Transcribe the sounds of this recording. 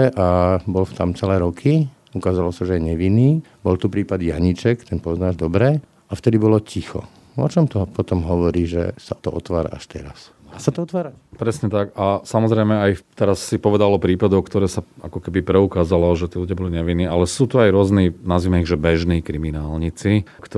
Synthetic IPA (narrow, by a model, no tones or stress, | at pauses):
ʔabɔlft̪a̰mt͡sɛlɛːɾɔkʰi | ukaːzalɔsaʒɛɛɲɛʋiniː | bɔlt̪upɾiːpad̪jaɲit͡ʃɛkt̪ɛnpɔznaːʒd̪ɔbɾɛ | aft̪ɛd̪ibɔlɔcʰixɔ̰ | ɔ̰t͡ʃɔmt̪ɔpɔt̪ɔmɦɔʋɔɾiːʒɛ̰sat̪ɔ̰ʔɔt̪ʋaːɾa̰ʔa̰ʃt̪ɛ̰ɾa̰s | d̪aːsat̪ɔɔt̪ʋaːɾapɾɛsɲɛt̪akasamɔzɾɛɪmɛajt̪ɛɾasːipɔʋɛd̪alɔpɾiːpad̪ɔʊkt̪ɔɾɛːsaa̰kɔkɛbipɾɛukaːzalɔʒɛt̪iːluɟɪjabɔliɲɛʋinːiːalɛsuːt̪uajɾʊɔzniːnazʋiːmɛiɣʒɛbɛʒniːkɾiminaːlɲit͡sikt̪